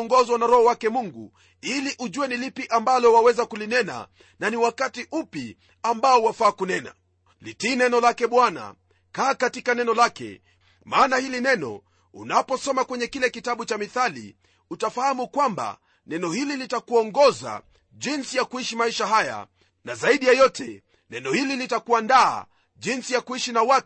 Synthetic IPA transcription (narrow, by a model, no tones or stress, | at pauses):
ɔŋɡɔzwanaɾɔhɔwakɛmuŋɡṵ | iliʔuʄuwɛnilipiʔambalɔwawɛzakulinɛna̰ | naniwakatiʔupi | ambaɔwafaːkunɛna̰ | litiːnɛnɔlakɛɓwana̰ | kaːkatikanɛnɔlakɛ̰ | maːnahilinɛnɔ̰ | ṵnapɔsɔmakwɛɲɛkilɛkitaɓut͡ʃamiθalḭ | utafahamukwamba̰ | nɛnɔhililitakuɔŋɡɔza̰ | ʄinsijakuiʃimaiʃaɦaja̰ | nazaiɗijajɔtɛ | nɛnɔhililitakuanda̰ː | ʄinsijakuiʃinawak